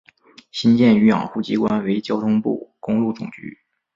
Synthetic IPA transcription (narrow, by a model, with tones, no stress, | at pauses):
ɕi˥nt͡ɕjɛ˥˩ny˧˥jɑ̰˨˩ŋxu˥˩t͡ɕi˧˥kwa˥nwe˧˥ɪt͡ɕjɑ˥ʊt̪ʰʊ˥ŋpṵ˥˩kʊ˥ŋlu˥˩ʈ͡ʂʊ̰˨˩ŋt͡ɕy̰˧˥